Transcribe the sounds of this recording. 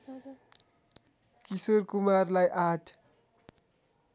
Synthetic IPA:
kisoɾkumarlajʔatʰ

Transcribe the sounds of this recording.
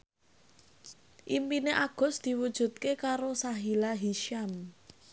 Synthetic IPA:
ʔimpineʔaɡ̥ɔ̤sd̪̥i̤wud̥ʒ̥ṳt̪̚kekaɾosaɦilaɦiʃam

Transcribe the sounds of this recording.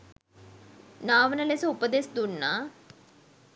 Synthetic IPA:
naːʋənəlesəupəd̪esd̪unːaː

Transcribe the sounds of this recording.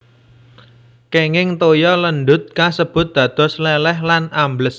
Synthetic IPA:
keŋɪŋt̪ojɔlənɖ̪ʊt̪̚kasəb̥ʊ̤t̪̚d̪̥ä̤d̪̥ɔ̤slɛlɛhlanambləs

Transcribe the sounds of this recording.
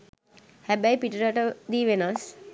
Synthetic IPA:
hɛbajpiʈəɾaʈəd̪iːʋenas

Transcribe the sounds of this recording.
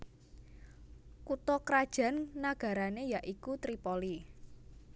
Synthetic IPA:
kut̪ɔkɾad̥ʒ̥a̤nːaɡ̥ä̤ɾanejaʔikut̪ɾipoli

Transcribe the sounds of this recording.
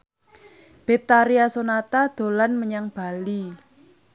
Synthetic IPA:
b̥et̪aɾiasonat̪ad̪̥o̤lanməɲaŋb̥a̤li

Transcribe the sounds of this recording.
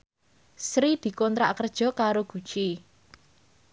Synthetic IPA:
sɾid̪̥i̤kɔnt̪ɾa̰kərd̥ʒ̥ɔ̤kaɾoɡ̥ṳ̥t͡ʃi

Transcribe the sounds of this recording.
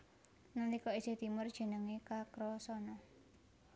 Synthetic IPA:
nanikɔi̥d͡ʒ̥e̤d̪̥i̤mʊrd̥ʒ̥ə̤nəŋekakɾɔsɔnɔ

